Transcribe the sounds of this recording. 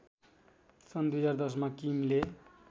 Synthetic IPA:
sʌnd̪uɦʌd͡zard̪ʌs̬makimle

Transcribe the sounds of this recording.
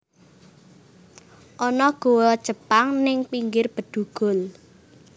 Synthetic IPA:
ʔɔnɔɡ̥o̤wɔd̥ʒ̥ə̤paŋnɪŋpiŋɡɪrb̥ə̤d̪̥uɡ̥ʊ̤l

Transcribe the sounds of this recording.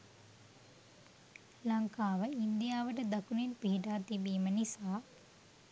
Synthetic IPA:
lɐŋkaːʋəind̪ijaːʋəʈəd̪ɐkunenpiɦiʈaːt̪ibiːmənisaː

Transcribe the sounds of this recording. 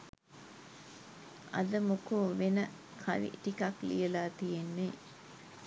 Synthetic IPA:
ɐ̰d̪əmukoːʋenə | kʰaʋḭʈikaklḭjəlaːt̪ijenːe

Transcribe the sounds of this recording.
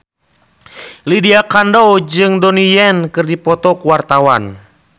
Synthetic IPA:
lidiakandɔwd͡ʒɨŋdɔnijɛnkɨrdipɔt̪ɔkuwart̪awan

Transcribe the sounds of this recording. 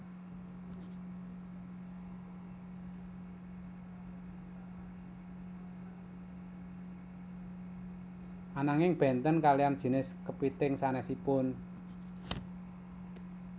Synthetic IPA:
ʔanaŋɪŋb̥ɛ̤nt̪ənkaliand̥ʒ̥i̤nɪskəpit̪ɪŋsanɛsipʊn

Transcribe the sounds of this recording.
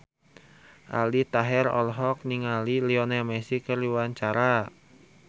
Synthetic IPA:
ʔa̰lit̪aɦɛɾɔ̰lɦɔk̚niŋaliliɔnɛmɛsikərliwaɲt͡ʃaɾa

